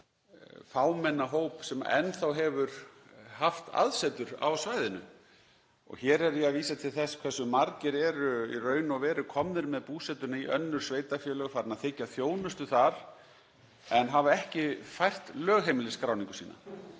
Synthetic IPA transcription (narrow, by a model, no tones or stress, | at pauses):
faːwmɛnːaɦowpsɛma̰ɛ̰nθawɦɛvʏɾ | haft̪ʰa̰ðsɛt̪ʏɾa̰wsvaːjðɪnʏ | ɔ̰ɣçɛːɾɛɾiaðviːsat̪ʰɪlθɛskʰvɛsʏmaɾcɪɾɛɾʏirœːɥnɔvɛːɾʏkʰɔmnɪɾmɛðpuːsɛt̪ʏnaiʔœnːʏɾ̥sveːjt̪afjɛːlœɣfaɾɪnaðθɪcːaθjoːwnʏst̪ʏθaɾ̥ | ɛnɦavaɛhcɪfajr̥t̪lœːɣɦejmɪlɪskɾaːwnĩŋkʏ̥sḭːna̰